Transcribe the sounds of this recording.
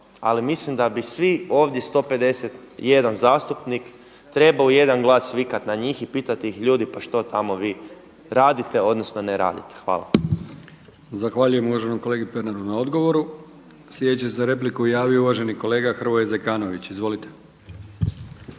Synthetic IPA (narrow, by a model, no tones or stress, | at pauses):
a̰limislimd̪abisʋio̞ːʋd̪je̞st̪o̞pe̞d̪e̞set̪ | je̞d̪anzaːst̪upnik | t̪ɾe̞baoje̞d̪anɡlˠaːsʋikat̪naɲiːxipiːt̪at̪iixʎuːd̪ipaʃt̪o̞t̪ʰamo̞ʋiː | ɾaːd̪it̪e̞o̞d̪nosno̞neɾa̰ːd̪ḭt̪e̥xʋa̰ːlˠa̰ | zaxʋaːʎuje̞muʋaʒenomko̞leɡipe̞ɾnad̪unao̞d̪ɡo̞ʋo̞ɾu | slʲjed̪et͡ɕes̬eɾe̞p̬likuujaːʋijouʋaʒe̞nikole̞ːɡaxr̩ʋojezekaːno̞ʋit͡ɕizʋo̞lit̪e̥